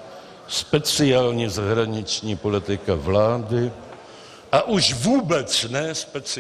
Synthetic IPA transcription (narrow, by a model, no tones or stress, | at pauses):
spɛt͡sɪaːlɲizaɦɾaɲɪt͡ʃɲiːpo̞lɪt̪ɪkavlaːdɪ | ʔaʔuʃvuːbɛt͡snɛspɛt͡sɪ